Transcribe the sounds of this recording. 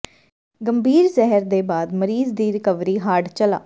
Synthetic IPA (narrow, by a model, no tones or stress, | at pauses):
ɡəmbiːɾzɛɦəɾd̪eːbaːd̪məɾiːzd̪iːɾɪkəʋɾiːɦaːɽt͡ʃəla̰ː